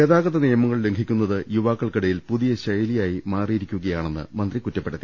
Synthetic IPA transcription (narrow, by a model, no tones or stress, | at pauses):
eðaːɣɐðɐnijɐmɐŋːɐɭle̞ŋɡʱikʲːunːɐðɨjuʋaːkːɐɭkɐɽɐjilpuðijɐɕɐjɐlijaːjimaːrijiɾikʲːuɣɐjaːɳe̞nːɨ̰mɐnd̪rikutːɐpːeɽɐt̪ːi